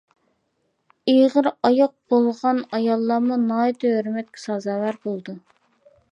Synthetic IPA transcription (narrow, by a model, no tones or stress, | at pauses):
ijʁəɾɑjɑq̚b̥olˠʁɑnɑjɑlˠːɑmunɑit̪ʰøhøɾmɛt̪̚kʲʰɛ̥sɑzɑːwæɾbolˠd̪u